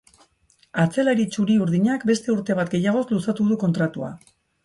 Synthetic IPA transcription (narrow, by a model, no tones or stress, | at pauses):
at͡se̞laɾit͡ʃuɾiuɾðiɲakbe̞st̪e̞uɾt̪e̞β̞at̪̚ɡe̞jaɣ̞o̞slusat̪uð̞uko̞nt̪ɾat̪ua̰